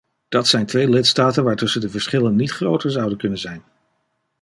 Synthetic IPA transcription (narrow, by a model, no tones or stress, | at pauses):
d̥ɑtsɛjntʋejlɪtstaːtənʋaːɹtɵsəndəvəɹsχɪlənːitχrowtəɹzɑwdənkɵnənzɛjn